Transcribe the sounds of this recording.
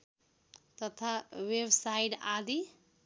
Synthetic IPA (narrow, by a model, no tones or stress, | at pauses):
t̪ʌt̪ʰawebsajiʈad̪i